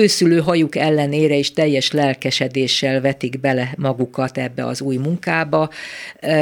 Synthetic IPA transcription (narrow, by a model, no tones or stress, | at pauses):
øːsyløːɦɒjukɛlːɛneːɾɛeːʃt̪ɛjːɛʃlɛlkɛʃɛd̪eːʃːɛlvɛt̪iɡbɛlɛmɒɡukɒt̪ɛbːɛ̰ɒ̰zuːjmuŋkaːbɒ